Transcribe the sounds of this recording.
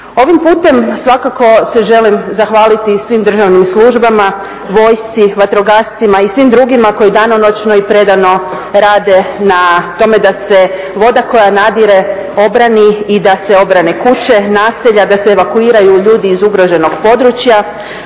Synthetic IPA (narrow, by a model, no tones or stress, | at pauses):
o̞ʋimpuːt̪e̞msʋakako̞se̞ʒe̞limzaxʋaːlit̪isʋimd̪r̩ʒaʋnimslˠuʒbama | ʋo̞ːjst̪siʋat̪ɾo̞ɡast̪simaisʋimd̪ɾuɡimako̞jid̪anono̞t͡ʃno̞ipɾe̞d̪ano̞ | ɾaːd̪e̞nat̪o̞me̞d̪ase̞ | ʋo̞d̪ako̞janad̪iɾe̞ | o̞bɾaniid̪ase̞o̞bɾanekut͡ɕe̞naːseʎad̪aseːʋakuiːɾajuʎuːd̪iːzuɡɾo̞ʒe̞noɡpo̞d̪ɾut͡ɕja